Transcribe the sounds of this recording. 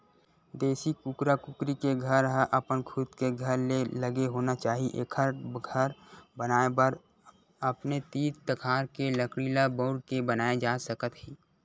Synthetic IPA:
d̪eːsikukɾakʊkɾikeɡʱəɾɦəʔɐpənkʰʊd̪keɡʱəɾleləɡeɦoːnat͡ʃaːɦiʔḛːkʰəɾɡʱəɾbənaːebəɾ | əpnet̪iːd͡ʒt̪əkʰaːɾkeləkɽiːlabɔːɽkebənaːed͡ʒaːsəkət̪ɦiː

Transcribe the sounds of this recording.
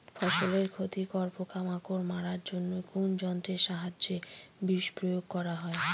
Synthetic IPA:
fɔʃoleɾkʰot̪ikɔɾpokamakoɾmaɾaɾd͡ʑonːokund͡ʑɔnt̪ɾeʃaɦad͡ʑd͡ʑebiʃpɾojoɡ̚kɔɾaɦɔe

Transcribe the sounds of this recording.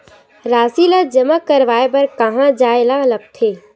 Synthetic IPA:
ɾaːsiləd͡ʒəməkːəɾʋaːepəɾkəɦãd͡ʒaːelalək̚t̪ʰeː

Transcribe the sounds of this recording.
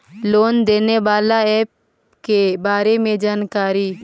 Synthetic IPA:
loːnd̪eːneʋaːlaɛːp̚ | kebaːɾemẽd͡ʒaːnkaːɾiː

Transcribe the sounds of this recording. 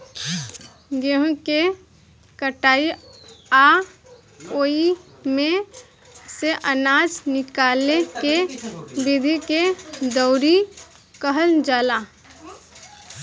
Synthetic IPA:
ɡeɦũke | kəʈaːia | oːi | mẽ | seʔənaːd͡ʒnɪkaːlekebɪd̪ʱiked̪əʊɾi | kəɦəld͡ʒaːla

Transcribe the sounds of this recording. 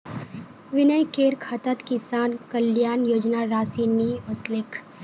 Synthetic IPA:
ʋɪnəjkeːɾkʰat̪ət̪kɪsaːnkɐljaːnjoːd͡ʒnaɾaːsiniːʊslɪkʰ

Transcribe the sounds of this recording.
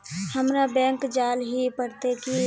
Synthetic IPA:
həmɾabɛ̃ːŋkd͡ʒaːlɦipəɽt̪eki

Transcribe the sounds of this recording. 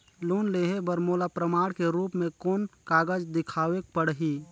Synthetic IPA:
loːnleːɦebəɾmoːlapɾəmaːɽkeɾuːpmẽkoːnkaːɡəd͡ʒd̪ɪkʰaːʋek̚pəɽɦiː

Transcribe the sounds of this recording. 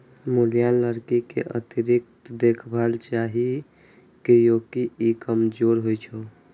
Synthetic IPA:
mulijaləɾkikḛʔə̰t̪iɾik̚t̪d̪ekʰbʱalt͡ʃaɦi | kejokiikəmd͡ʒoɾɦojt͡ʃʰo

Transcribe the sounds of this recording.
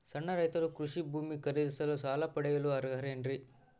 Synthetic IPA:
sɐɳːɐɾɐjt̪ɐɾukɾuʂibʱuːmikɐɾid̪isɐlɐsaːlɐpɐɽɐjɐluɐɾɡʱɐɾeːɳɾi

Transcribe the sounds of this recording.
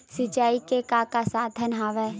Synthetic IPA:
sɪt͡ʃaːikekakasaːd̪ʱənɦaːʋɛː

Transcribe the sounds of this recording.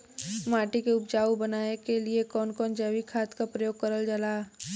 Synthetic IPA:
maːʈikeʊpd͡ʒaːubɐnaːekeliekɔːnkɔːnd͡ʒəwikʰaːt̪kapɾəjoːɡ̚kəɾəld͡ʒəlaː

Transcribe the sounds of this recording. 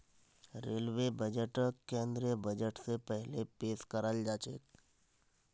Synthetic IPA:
ɾeːlʋebəd͡ʒəʈəkẽːnd̪ɾijəbɐd͡ʒəʈsepɛɦlepeːskəɾəld͡ʒaːt͡ʃḛːk

